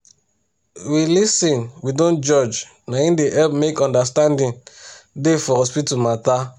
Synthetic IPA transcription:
wilisĩnwidõnd͡ʒɔd͡ʒ | naĩndeʔɛpmekɔ̃ndastãndĩndefɔɾɔspitumat̪a

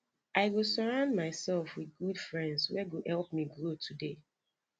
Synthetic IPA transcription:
ʔaɪɡosɔɹãʊ̃ndmaɪsɛlˠfwɪðɡudfɹɛ̃ndzwɛɡohɛlˠp̚miɡɹotʰude

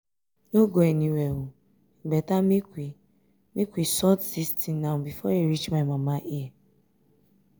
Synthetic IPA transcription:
noɡoeniwewu | iɡ͡bɛtamikʷi | mikʷisɔtsistĩnnãbifɔeɾit͡ʃmamamaʔie

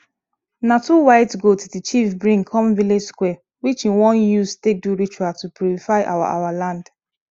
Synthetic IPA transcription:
natuwaɪtɡotdit͡ʃifbɹĩŋkʰɔ̃mviled͡ʒskwɛ | wit͡ʃĩnwɔ̃njustek̚duɹit͡ʃuatupjuɹifaɪʔa̰wa̰ʔa̰walãnd

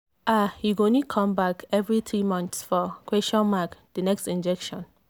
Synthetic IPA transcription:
ahiɡõnikʰɔ̃mbakʰɛvɹiθɹimɔ̃nθsfɔkɹeʃɔ̃nmakd̥ənɛkstĩnd͡ʒɛkʃɔ̃n

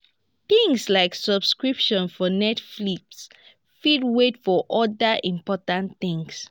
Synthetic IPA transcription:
θĩŋslaɪksɔb̥skɹipʃɔ̃nfɔnɛtfliks | fidwetfɔʔɔdəʔĩmpɔtãnθĩŋs

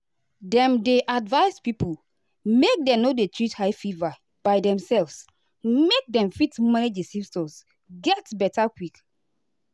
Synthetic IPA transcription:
dɛ̃mdeʔadvaɪspipul | mek̚dɛ̃mnodetɹithajfiva | b̥aɪdɛ̃msɛlvs | mek̚dɛ̃mfitmaned͡ʒesifstɔ̃s | ɡɛtbɛtakwik

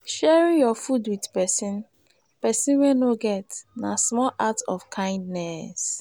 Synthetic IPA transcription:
ʃɛɹĩnjɔfudwidpɛsĩn | pɛsĩnwɛnoɡɛtnasmɔlʔatɔ̰fkʰãɪ̃ndnɛs

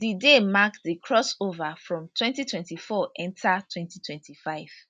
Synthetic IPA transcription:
didemakdikʰɹɔsovafɹɔ̃mtʰwɛ̃ntitʰwɛ̃ntifɔʔɛ̃ntʰatʰwɛ̃ntitʰwɛ̃ntifaɪv̥

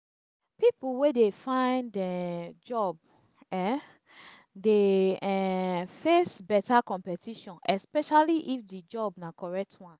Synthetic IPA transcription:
pipuwedefãɪ̃ndɛd͡ʒɔb̚ | ɛ | deɛfesbɛtakɔ̃mpɛtʰiʃɔ̃nɛspɛʃaliʔifdid͡ʒɔbnakɔɹɛk̚tʰwãn

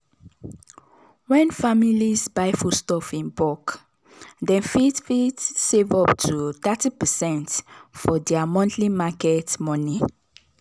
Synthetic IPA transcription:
wɛ̃nfamilisbaɪfustɔfĩnbɔk | dɛ̃nfitfitsevɔptʰut̪atipɛsɛ̃ntfɔdɛamɔ̃ntʰlimakɛtmɔ̃ni

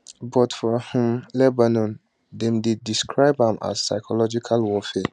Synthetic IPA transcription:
bɔtfɔhũmlɛbanɔ̃n | dɛ̃mdidiskʰɹaɪbãma̰zsaɪkʰɔlɔd͡ʒikʰalwɔfe

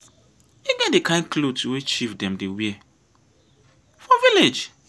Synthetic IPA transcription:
iɡɛdekãɪ̃nklotʰuwet͡ʃifdɛ̃mdewiɛ | fɔviled͡ʒ

